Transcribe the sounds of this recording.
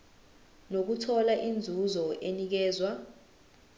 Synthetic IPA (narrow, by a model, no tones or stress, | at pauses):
nok̬utʰɔlaʔind͡zʱuzɔʔenik̬ɛːzwa